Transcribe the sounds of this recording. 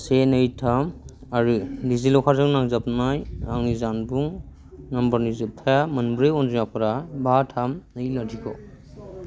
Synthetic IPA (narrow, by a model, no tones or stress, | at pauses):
senɯjtʰamaɹɯdizilɔkʰazʰɯŋnaŋzapnajaŋzanbuŋ | nambəɹnizɯp̚t̪ʰajamənbɾeɔnzijapʰɔɾabatʰamnɯjladʱikɔ